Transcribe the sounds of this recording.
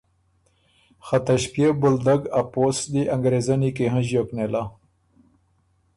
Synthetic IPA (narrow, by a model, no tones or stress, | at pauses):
xat̪aɕpjebʊld̪aɡaposd̪iʔɐŋɡɾezanikeɦãʑoːknela